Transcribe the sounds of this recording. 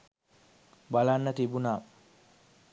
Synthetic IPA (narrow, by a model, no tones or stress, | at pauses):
balanːət̪ibunaː